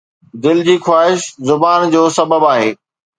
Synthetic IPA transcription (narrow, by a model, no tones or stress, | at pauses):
d̪ɪld͡ʑiːxwaːɦɪʃzʊbaːnd͡ʑoːsɐbəbaːɦeː